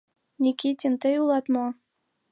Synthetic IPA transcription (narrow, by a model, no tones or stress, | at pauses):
nʲikʲit̪ʲint̪ɤjulˠɑt̪mɑ